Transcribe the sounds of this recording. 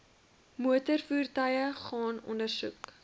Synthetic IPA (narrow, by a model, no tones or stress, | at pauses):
muətərfuːrtɐjəχɑːnɔ̰ndərsṵk